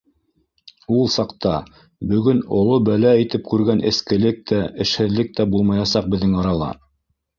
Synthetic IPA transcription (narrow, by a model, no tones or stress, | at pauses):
ulˠsɑqt̪ɑ | bɵ̆ɡɵnŏlˠobælæit̪ɘp̚kʉɾɡænɘ̆skɘ̆lɘk̚t̪ʰæɘ̆ʃhɘ̆ðlɘk̚t̪æbulˠmɑjɑsɑq̚bɘ̆ðːɘŋɑɾɑlˠɑ̰